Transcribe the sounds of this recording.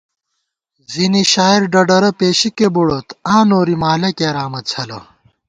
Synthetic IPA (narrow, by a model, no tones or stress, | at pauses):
ziniɕaːiɾɖɐɖɐɾɐpeːɕikebuɽot̪ãːnoːɾimaːlɐkeːɾaːmɐt͡sʰɐlɐ